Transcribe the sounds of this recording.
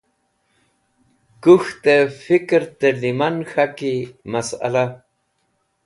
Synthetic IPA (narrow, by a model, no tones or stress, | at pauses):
kuxt̪efikɾt̪elimanxakimasa̰la